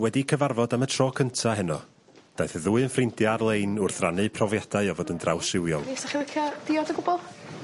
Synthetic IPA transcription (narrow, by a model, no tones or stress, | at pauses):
wɛdikʰəvarvɔdamətʰr̥ɔːkʰəntʰaɦɛnɔ̰ | d̥ajθəðuːɨənfrɪndjaarlˠejnʊrθranɨpʰrɔvjadaɨɔvoːdəndrawsɪwjɔlˠisaχiwɪkʰjɔdɪɔdəɡʊbɔlˠ